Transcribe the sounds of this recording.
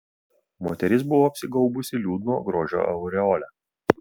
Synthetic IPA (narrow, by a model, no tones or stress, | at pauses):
moːt̪ʲɛɾʲɪs̬bʊʋoːɐpʲsʲɪɡɐʊbʊsʲɪlʲuːd̪noːɡɾoːʒʲo̰ːʔɐʊɾʲɛɔlʲæ